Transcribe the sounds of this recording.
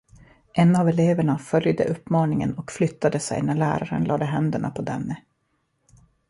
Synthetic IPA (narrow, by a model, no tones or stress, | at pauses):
ʔɛnavɛleːvəɳafœljd̪ə̰ʔɵpːmɑːnɪŋə̰nɔkflʏt̪ːad̪əsɛ̰jnæɭæ̰ːɾaɾə̰nlʔɑ̰ːd̪əɦɛnd̪əɳa̰pʰɔd̪ɛnːə